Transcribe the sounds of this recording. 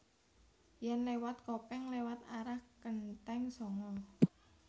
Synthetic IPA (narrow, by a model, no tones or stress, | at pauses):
jɛnlewat̪̚kopɛŋlewat̪aɾahkənt̪ɛŋsɔŋɔ